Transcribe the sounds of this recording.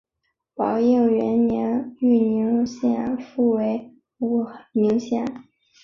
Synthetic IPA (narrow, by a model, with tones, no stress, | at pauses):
pɑ˧˩ʊji˥˩ŋɥɛ˧˥nnjɛ˧˥ny˥˩ni˧˥ŋɕjɛ̰˥˩nfu˥˩we˧˥ɪ | u˧˨˩mi˧˥ŋɕjɛ̰˥˩n